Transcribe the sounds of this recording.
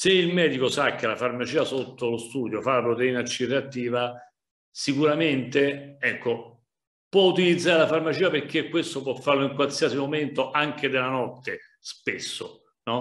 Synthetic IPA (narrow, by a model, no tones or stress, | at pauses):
seilmɛːd̪ikosak̟ːelafarmat͡ʃiːasot̪ːolost̪uːd̪jofalapɾot̪eiːnat͡ʃːireat̪ːiːva | sikuɾament̪eɛkːo | pwɔut̪ilid̪zːaːɾelafarmat͡ʃiːaperk̟ːekːwest̪op̬wɔfːarloiŋkwalsiasimoment̪oʔaŋk̟ed̪elanɔt̪ːe | spesːo | nɔ